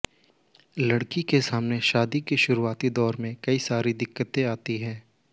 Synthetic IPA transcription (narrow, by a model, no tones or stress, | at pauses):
lɐɽkikesaːmneʃaːd̪ikeʃʊɾuaːt̪id̪ɔːɾmẽkɐisaːɾid̪ɪkːət̪ẽaːt̪iɦɛ̃ː